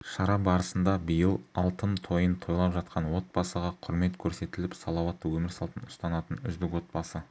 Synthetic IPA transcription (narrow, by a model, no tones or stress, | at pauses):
ʃɑɾɑbɑɾəsənd̪ɑbijəlˠɑlˠt̪əmt̪ʰo̞jənt̪ʰo̞jlˠɑpʒɑt̪̚qʰɑnwo̞t̪̚bɑsəʁɑqʰʊɾme̞t̪kʲʰɵɾse̞t̪ɪlɪpsɑlˠɑwɑt̪ːəwɵmɪɾsɑlˠt̪ənʊst̪ɑnɑt̪ənʏ̰zd̪ɪkwo̞t̪̚bɑsə